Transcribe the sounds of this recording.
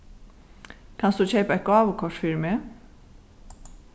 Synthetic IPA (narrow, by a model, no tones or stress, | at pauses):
kʰɑnsd̪ʉːc͡çeɪpəɛt̪̚ɡɑːʋəkʰɔʃfɪɾmeː